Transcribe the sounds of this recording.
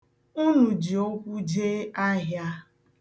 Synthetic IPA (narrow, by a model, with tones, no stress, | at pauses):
u˦nu˨d͡ʒi˨o˦kʷu˦d͡ʒe˦a˦ɦja˦